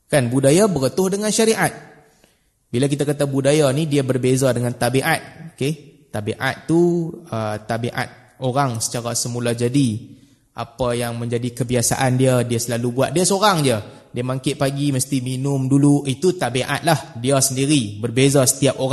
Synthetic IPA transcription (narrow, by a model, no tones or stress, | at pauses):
kanbudajabəɾət̪ʊhdəŋãnʃaɾiʔat̪̚ | bilak̬it̪akat̪abudajanidiabərbezadəŋant̪abiʔat̪̚oket̪abeʔa̰t̪tːuət̪abiʔa̰t̪̚ | oɾaŋsə̥t͡ʃaɾasəmũlahd͡ʒadi | ʔa̰pajaŋmə̃ɲd͡ʒadikəbiasa̰ʔandiədiasəlalubuat̪̚diasoɾaŋd͡ʒədiəmaŋkɪʔ̪̚paɡiməst̪iminʊmduluit̪ut̪abeʔa̰t̪̚lahdiasəndiɾibərbezasə̥t̪iap̚oɾa